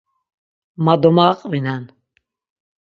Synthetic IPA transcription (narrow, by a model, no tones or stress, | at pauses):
mad̪ɔmaqʼvinɛn